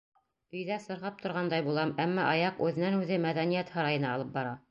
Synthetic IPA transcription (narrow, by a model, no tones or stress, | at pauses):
ɵ̆jðæsɤ̆ɾʁɑp̚t̪ŏɾʁɑnd̪ɑjbulˠɑmæmːɑʔɑjɑqʉðɘ̆nænʉðɘmæd̪ænijæt̪hɑɾɑjɤ̆nɑːlˠɤp̚bɑɾɑ